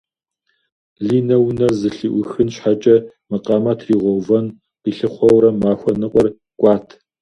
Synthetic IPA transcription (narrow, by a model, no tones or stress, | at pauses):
ɮiːnɐwnɐrzɨɬɨʔʷʊxɨnɕħat͡ʃʼɐmɨqʼɐmatʰriːʁʷɔwvɐn | qiːɬɨχʷɔwɾɐmmːaːxʷɔnɨqʷʼɔr | ɡ̥ʷʼɑːtʰ